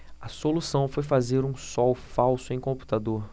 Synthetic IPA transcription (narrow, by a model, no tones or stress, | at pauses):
ɐsolusɐ̃w̃fojfazeɾũsɔwfawsʊẽj̃kõmpu̥t̪ad̪oɾ